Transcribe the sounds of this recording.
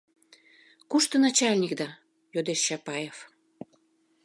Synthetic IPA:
kuʃt̪ənɑt͡ɕɑlʲnʲik̚d̪ɑ | jod̪eʃːɑpɑjef

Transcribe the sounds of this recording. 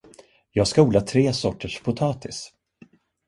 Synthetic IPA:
jɑːɡskauːlaʈ̪ʰɾeːsɔʈːəʂpʰʊt̪ʰɑːt̪ʰɪs

